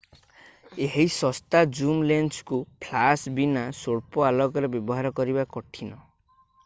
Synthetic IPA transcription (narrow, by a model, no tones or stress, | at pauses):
eɦisɔst̪ad͡ʒumlenskupʰlasbinasoɽpɔalɔkɔɾebjɔbɔɦaɾɔkɔɾibakɔʈʰinɔ